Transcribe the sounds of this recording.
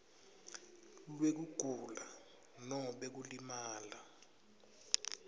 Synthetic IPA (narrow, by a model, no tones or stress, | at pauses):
lwek̬uɡ̥ʱula | nɔɓek̬ulimaːla